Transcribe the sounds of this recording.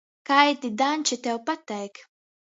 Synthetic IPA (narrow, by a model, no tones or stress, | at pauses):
kɐjt̪id̪ɐːnt͡ʃɪt̪ɛwpɐt̪ːɐjk